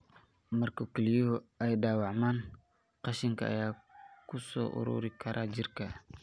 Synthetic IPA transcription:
mɐrkʊkɪlijoʊɛjɖaːwɑʕmaːn | qɑʃɪŋkʰɐʔːjaːkʰʊsɔ̰ːʔʊ̰ɾṵːɾɪkʰɐɾʔaːd͡ʒɪrkʰɐ

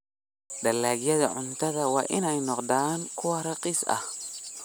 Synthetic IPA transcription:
d̪ɐlaːɣjɐðɐ̰ʕʊnt̪ʰɐðɐwɑ̰ːʔɪnɛjnɔqd̪aːŋkʰʊwɐɾɐqiːsɐ̰h

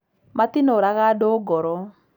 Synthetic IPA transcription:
matinoɾaɣadoɡɔɾɔ

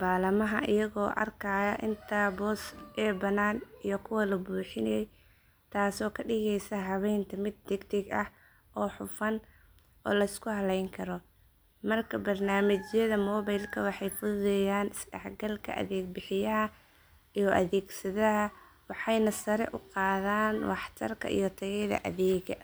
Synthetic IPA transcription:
baːlɐmɐɦɐ̰ʔɪ̰jɐɣɔːʔɐ̰rkʰaːjɐʔɪnt̪ʰabɔːsʔɛːbɐnaːnijɞkʰʊwɐlɐbuːħɪnɛjɛj | t̪ʰaːsɔːkʰɐɖɪɣɛjsɐɦɐβɛjnt̪ʰɐmɪd̪̚ːɛɡt̪ʰɛɡɐh | ʔɔːħʊfɐn | ʔɔ̰ːlɐɪskʰʊhɐlɛjŋkʰɐɾɔ | mɐrkʰɐbɐrnaːmɪt͡ʃjɐðɐmɔːβɐjlkʰɐwɑħɑjfʊðɛjaːnɪsɖɑħɡɐlkʰɐ̰ʔɐ̰ðɛːɡ̚bɪħɪjɐɦɐ | ijɔʔɐ̰ðɛːɡsɐðɐɦɐ | wɑħɑjnɐsɐɾɛ̰ʔʊqɑːðaːnwɑħt̪ʰɐ̰rkʰɐ̰ʔḭjɞt̪ʰɐɣɛjðɐ̰ʔɐ̰ðɛːɣɐ̰

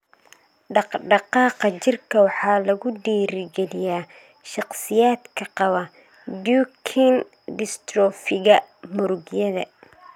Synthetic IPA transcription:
ɖɑqɖɑqɑːqɑt͡ʃɪrkʰɐwɑħɑːlɐɣʊɖiːɾɪɡɛlɪjaː | ʃɑqsɪjaːd̪kʰɐqɑβɐ | duːkʰin | dɪst̪rɔːfɪɣɐmʊɾʊɣjɐðɐ̰

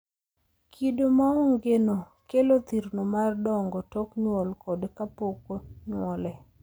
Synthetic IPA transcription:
kʰidomaɔŋɡeno | kelot̪iɾnomardɔŋɡɔtɔkɲwɔlkɔdkapokoɲwɔlɛ

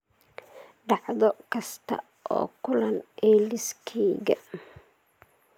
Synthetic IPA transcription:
ɖɑʕðɔkʰɐst̪ʰɐ̰ | ʔɔ̰ːkʰʊlɐnɛlɪskʰɛːɣɐ̰

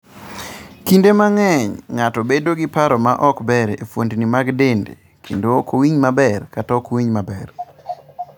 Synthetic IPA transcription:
kindemaŋɛɲŋatɔbedoɡipaɾɔmaʔɔkbɛɾefwondnimaɡdendḛ | kʰendokowiɲmabɛrkatakowiɲmabɛr

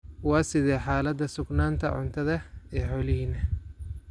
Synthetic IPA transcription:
wɑːsɪðɛːħaːlɐd̪ːɐsʊɡnaːnt̪ʰɐ̰ʕʊ̰nt̪ʰɐðɐɛːħɔːlɪɦiːnɐ

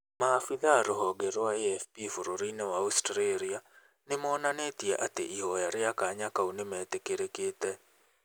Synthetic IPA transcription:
maːfiðaɾoɦɔɡeɾwaeɛfpifuɾoɾinewaustɾeɾia | nɪmɔːnanetiḛʔatḛʔiɦɔjaɾɪakaɲakaunemɛtekeɾekeːtɛ

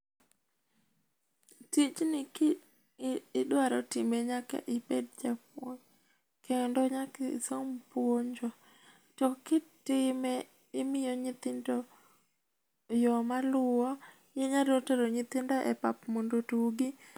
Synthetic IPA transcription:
tit͡ʃnɪ | ɪdwaɾɔtɪmeɲaka̰ʔɪped̚d͡ʒap̚woɲ | kendɔɲakɪsompwoɲd͡ʒɔ | tɔkɪtɪmɛ | ɪmɪjɔɲɪt̪ɪndɔ | jɔmalʊɔ | jeɲadoteɾɔɲɪt̪ɪndɔʔɛpapmondotuɡi

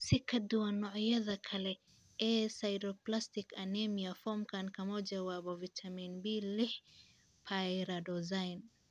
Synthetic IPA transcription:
sikʰɐd̪uwɐnːɔʕjɐðɐkʰɐlɛ | ʔɛːsajɾɔplast̪ɪkʰɐnɛmiafɔmkʰankʰɐmɔd͡ʒɐwaːbɔvit̪ʰɐminbilɪħ | pʰajɾɐdɔzajn

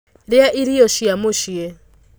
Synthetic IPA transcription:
ɾɪaʔiɾiɔʃiamoʃiɛ

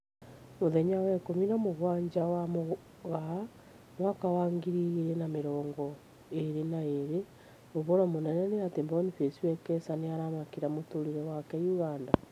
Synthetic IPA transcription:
moðɛɲawɛkominamoɣwaɲd͡ʒawamo | ɣa | nwakawaŋɡiɾiɣiɾenameɾɔːŋɡɔ | eɾenaeɾe | oβoɾɔmonɛnɛneatembɔnifesiwɛkɛsaneaɾamakiɾamotoɾiɾɛwakɛjuɣanda

